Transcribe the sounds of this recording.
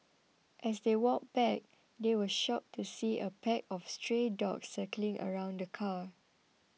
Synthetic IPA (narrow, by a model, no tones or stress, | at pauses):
ʔɛsdewɔk̚b̥ɛk̚ | dewəʃɔp̚tʰusiʔəpʰɛkɔfstɹedɔ̰ksɛklɪ̃ŋʔə̰ɹãʊ̃ndəkʰa